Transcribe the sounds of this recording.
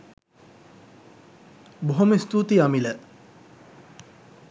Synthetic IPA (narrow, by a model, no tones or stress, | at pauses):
boɦoməst̪ut̪iamilə